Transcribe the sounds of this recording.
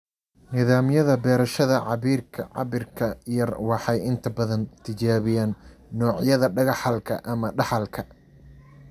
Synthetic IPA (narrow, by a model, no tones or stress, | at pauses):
nɪðaːmjɐðɐbɛːɾɐʃɐðɐʕɑβiːrkʰɐʕɑ̰βɪrkʰɐjɐrwɑħɑjɪnt̪ʰɐbɐðɐnt̪ʰɪt͡ʃaːβɪjaːnːɔːʕjɐðɐɖɐɣɑħɐlkʰɐʔɐmɐɖɑħɑlkʰɐ